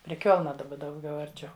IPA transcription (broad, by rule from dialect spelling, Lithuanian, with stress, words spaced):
pʲrʲɪ ˈkʲoːlˠnɐ dɐˈbɐ dɐʊˈɡʲɛʊ ɐrʲˈt͡ʃʲɛʊ